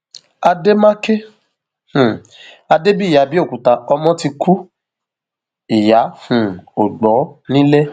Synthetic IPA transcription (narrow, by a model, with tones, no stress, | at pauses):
a˧de˦mã˦ke˦ | h̩˨ | a˧de˦bi˦˨ja˨˦bi˦o˦˨ku˨ta˨˧ɔ˧mɔ̃˦ti˧ku˦ | i˨ja˨˦hũ˨o˨ɡ͡bɔ˨˦nĩ˦le˦